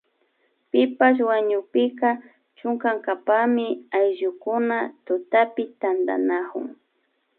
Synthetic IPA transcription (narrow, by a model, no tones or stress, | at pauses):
pɪpas̬waɲʊpɪka | t͡ʃʊŋkaŋkapamɪajʒʊkʊnat̪ʊt̪apɪt̪and̪a̰nakʊ̰ŋ